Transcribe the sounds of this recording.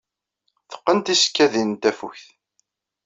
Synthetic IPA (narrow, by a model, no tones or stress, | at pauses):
θə̥qːənt̪isə̥kːæðint̪æfṵçθ